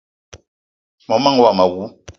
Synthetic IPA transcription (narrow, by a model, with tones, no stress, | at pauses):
mɔ˨˦ma˦ŋ˦wa˦˨ma˨wu˦